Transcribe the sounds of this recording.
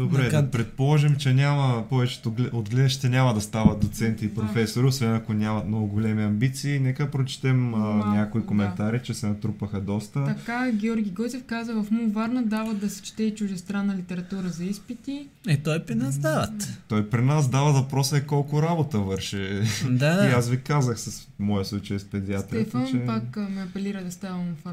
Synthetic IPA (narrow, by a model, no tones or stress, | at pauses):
d̪obɾɛɐpɾɛt̪̚polˠɔʒɛmt͡ʃɛnʲamɐpɔvɛt͡ʃɛ̥t̪olɛod̪ɡlɛd̪ɐʃt̪ɛnʲamɐd̪ɐst̪avɐt̪̚d̪ot̪sɛnt̪iːpɾofɛsoɾiosvɛnɐkonʲamɐt̪nɔɡʊɡolʲɛmiɐmbit̪siːnɛkəd̪ɐpɾot͡ʃɛ̥t̪ɛmnʲakoikomɛnt̪aɾit͡ʃɛsɛnɐt̪ɾupəxɐd̪ɔst̪ət̪ɐkkaɡʲɛɔɾɡʲiɡɔzʲɛfkazəvɐfumvaɾnəd̪avəd̪ɐsɛ̥t͡ʃi̥t̪ɛit͡ʃʊʒɛst̪ɾanːɐlit̪ɛɾɐt̪uɾəzɐispit̪i | ɛt̪ɔjpɾinazd̪avɐt̪t̪ɔjpɾinasd̪avɐvɐpɾɔsɐɛkɔlˠkʊɾabot̪əvɤɾʃɛd̪aiasvikazəxsɐs | mɔjɐslˠut͡ʃəjspɛd̪iat̪ɾɛfət͡ʃɛpakmɛɐpɛliɾəd̪ɐst̪avumfa